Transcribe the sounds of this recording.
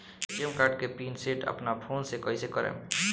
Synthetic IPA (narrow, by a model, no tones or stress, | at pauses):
əmkaːɾɖkepiːnseːʈə̰pnapʰoːnsekɔɦisekəɾḛːm